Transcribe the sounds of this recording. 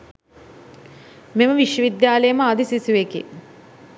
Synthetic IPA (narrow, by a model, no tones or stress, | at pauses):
meməʋiʃjəʋid̪jaːləjəməad̪isisuʋekḛ